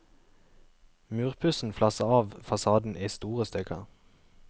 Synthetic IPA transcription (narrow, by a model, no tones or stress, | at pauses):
mʉːʁpʰʉsn̩flɑsəɑːʋfɑsɑːd̪n̩ʔiːst̪uːʁəst̪œkʰə̰ʁ